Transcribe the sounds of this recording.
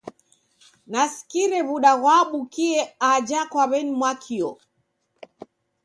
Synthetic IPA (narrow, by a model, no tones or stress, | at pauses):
nasi̥kiɾɛβuɗaɣwaɓukiɛad͡ʒakwaβɛnimwakʰiɔ